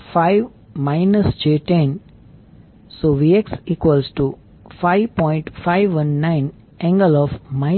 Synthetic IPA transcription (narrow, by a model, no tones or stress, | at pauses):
faɪʋ | maɪnəsd͡ʒeːʈẽn | soːʋieksiːkʋəlsʈu | faɪʋpɔ̃ɪ̃ɳʈfaɪʋʋə̃nːãɪn | ɛ̃ŋɡəlɔːfmaɪ